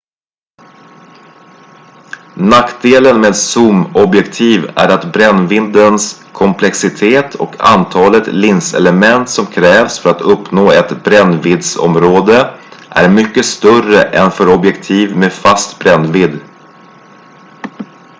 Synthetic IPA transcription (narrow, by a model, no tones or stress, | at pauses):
nakd̪eːlənmeːd̪sumɔbjɛkt̪ʰiːvæ̰ɾat̪bɾɛnvɪnd̪ənskʰɔmpʰlɛksɪt̪ʰeːt̪ʰɔ̰kʰa̰nt̪ʰɑːlət̪lɪnsɛ̰ləmɛnt̪sɔmkʰɾɛːvsfœɾat̪ʰɵpnoːɛt̪bɾɛnːvɪd̪sɔ̰mɾoːd̪əʔæ̰ɾmʏkːəst̪œrəʔɛnfœɾɔbjɛkt̪ʰiːvmeːfast̪bɾɛnːvɪd̪